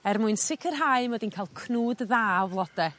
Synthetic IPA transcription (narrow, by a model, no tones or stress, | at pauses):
ɛrmʊɨnsɪkʰərɦaɨmɔdinkʰaːlˠkʰnuːdðaːvlˠɔd̥ɛ